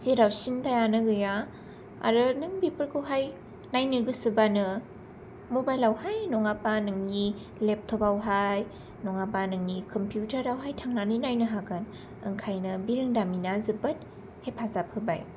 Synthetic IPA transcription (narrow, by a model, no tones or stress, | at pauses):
siɾawsintajanɯɡɯja | a̰ɾɯnɯŋbepʰɯɾkʰɯwɦaj | najnɯɡɯsɯbanɯ | mobajlawhajnɔŋapanɯŋni | lep̚tʰobawɦaj | nɔŋapanɯŋnikʰɔmpʰjutʰaɾɾawɦajtʰaŋnanɯjnajnɯɦakʰɯn | ɯŋkʰajnɯbiɾɯŋdaminazɯbɯt̚ | hepʰazap̚hɯba̰j